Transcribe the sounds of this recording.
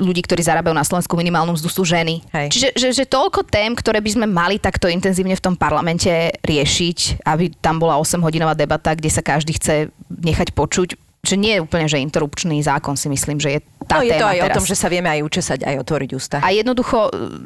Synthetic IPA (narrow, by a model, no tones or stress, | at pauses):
ʎuɟiːkt̪ɔɾiːzaɾaːbajunaslɔʋɛnskuminimaːlnɔmzd̪usuːʒɛniɦɛjt͡ʃiʒɛʒɛʒɛt̪ɔʎkɔt̪ɛːmkt̪ɔɾɛːbizmɛmalit̪akt̪ɔint̪ɛnziːʊɲɛft̪ɔmpaɾlamɛncɛɾɪɛʃicabit̪ambɔlaɔsɛmɦɔɟinɔʋaːd̪ɛbat̪aɡɟɛsakaʒd̪iːxt͡sɛɲɛxacpɔt͡ʃuc | ʒ̥ɛɲɪɛjɛuːpl̩ɲɛʒɛint̪ɛɾupt͡ʃnizaːkɔnsimisliːmʒɛjɛ | t̪ajɛɛːt̪ɔajɔt̪ɔmʒɛsaʋɪɛmɛajut͡ʃɛsaɟa̰jɔt̪ʋɔɾiɟuːst̪aajɛd̪nɔd̪uxɔ